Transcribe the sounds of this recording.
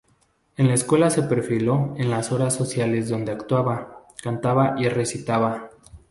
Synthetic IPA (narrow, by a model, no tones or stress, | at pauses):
e̞nlaeskwe̞lase̞pe̞ɾfilo̞enlaso̞ɾasːo̞sjale̞zðo̞nd̪e̞akt̪waβakant̪aβaʔire̞sit̪aβa